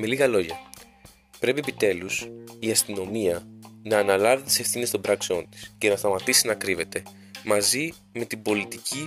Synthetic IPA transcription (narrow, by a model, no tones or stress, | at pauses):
me̞liɣɐlo̞ʝɐ | pɾe̞pie̞pit̪e̞lusiɐst̪ino̞miɐnɐːnɐlɐvet̪t̪isefθinest̪o̞bɾɐkseo̞nt̪i̥sce̞nɐst̪ɐmɐt̪isinɐkɾive̞t̪e̞ | mɐzi | me̞t̪ibo̞lit̪icʰi